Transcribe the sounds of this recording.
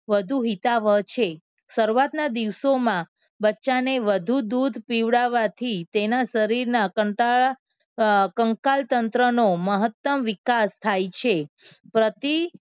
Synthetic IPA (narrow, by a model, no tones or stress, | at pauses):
ʋəd̪ʱuɦit̪aʋəɦt͡ʃʰe | səɾuat̪nad̪iʋsomã | bətːʃaneʋəd̪ʱud̪ud̪ʱpiʋɽaʋat̪ʰit̪enaʃəɾiɾnakəʈa | kəŋkalt̪ənt̪ɾənoməɦət̪ːəmʋikast̪ʰajt͡ʃʰepɾət̪i